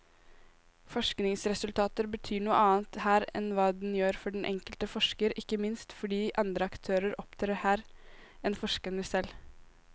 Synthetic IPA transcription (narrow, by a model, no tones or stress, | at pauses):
fɔʂknɪŋsɾɛsʉlt̪ʰɑːt̪əɾbət̪ʰyːɳuːə̰ʔɑːnt̪hæːɾɛ̰nʋɑːd̪n̩jøːɾfɔɖɛn̩ʔɛ̰ŋkəlt̪əfɔʂkəɾɪkːəmɪnst̪fɔɖiːʔɑnd̪ɾəɑkt̪ʰøːɾəɾʔɔpt̪ʰɑɾhæːɾ | ɛnfɔʂkənəsɛl